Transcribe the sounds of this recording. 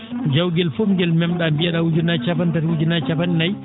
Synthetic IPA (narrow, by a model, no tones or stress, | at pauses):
d͡ʒawɡɛlfɔmɡɛlmɛmɗambijaɗawud͡ʒunat͡ʃapantatwud͡ʒunat͡ʃapanɛnaj